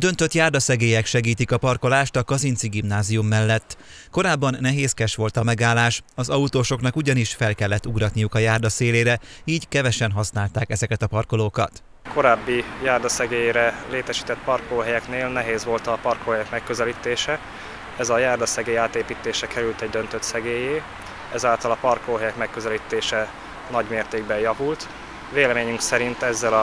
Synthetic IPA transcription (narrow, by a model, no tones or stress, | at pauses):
d̪ø̞nt̪øt̪jaːrd̪ɒsɛɡeːjɛkʃɛɡiːt̪ikɒpɒrko̞laːʃt̪ɒkɒzint̪siɡimnaːzijumːɛlːɛt̪ː | ko̞ɾaːbːɒnːɛɦeːskɛʃʋo̞lt̪ɒmɛɡaːlːaːʃɒzɒut̪oːʃo̞knɒkuɟɒniʃfɛlkɛlːɛt̪ːuɡɾɒt̪nijukɒjaːrd̪ɒseːleːɾɛiːɟkɛvɛʃɛnɦɒsnaːlt̪aːkɛzɛkɛt̪ɒpɒrko̞loːkɒ̰t̪ | ko̞ɾaːbːijaːrd̪ɒsɛɡeːjɾɛleːt̪ɛʃi̥ːt̪ɛt̪̚pɒrkoːɦɛjɛkneːlnɛɦeːzʋo̞lt̪ɒpɒrkoːɦɛjɛkmɛkːøzɛliːt̪eːʃɛ | ɛzɒjaːrd̪ɒsɛɡeːjaːt̪eːpiːt̪eːʃɛkʰɛɾylt̪ɛɟ̚d̪ø̞nt̪øt̪sɛɡeːjeː | ɛzaːlt̪ɒlɒpɒrkoːɦɛjɛkmɛkːøzɛliːt̪eːʃɛ | nɒɟmeːrt̪eːɡ̚bɛjjɒvult̪ | veːlɛmeːɲyŋksɛɾint̪ɛzːɛlɒ